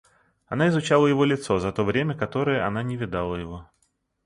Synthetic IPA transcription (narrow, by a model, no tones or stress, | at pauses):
ɐnaɪzʊt͡ɕalˠəjɪvo̞lʲɪt̪so̞zɐt̪o̞vɾʲemʲəkɐt̪o̞ɾəjəɐnanʲɪvʲɪd̪alˠəjɪvo̞